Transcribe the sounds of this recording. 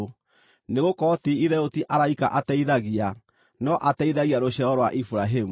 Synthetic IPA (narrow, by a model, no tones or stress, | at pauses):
neɣokɔtiiðɛotiʔaɾaikaʔatɛiðaɣia | nɔʔatɛiðaɣiaɾoɕɛɔɾwaʔifuɾaɦemu